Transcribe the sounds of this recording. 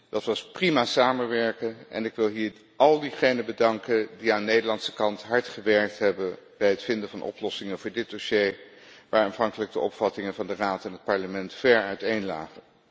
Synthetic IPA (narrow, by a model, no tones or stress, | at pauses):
d̥ɑtʋɑsprimaːsaːmənʋɛɹkənɛ̰nɪkʋɪlˠɦiːɹ | ʔɑlˠdiχejnəbədɑŋkəndiaːnnejdəɹlɑnsə̥kɑntɦɑɹtχəʋɛɹk̚tɦɛbənb̥ɛjɦətfɪndəvɑnʔɔ̰plɔsɪŋəvʊːɹdɪt̚d̥osej | ʋaːɹaːnvɑŋkələɡ̚dəʔɔ̰pfɑtɪŋənvɑndəraːtɛnɦət̚pɑɹləmɛntfɛɹœɥtejnla̰ːχən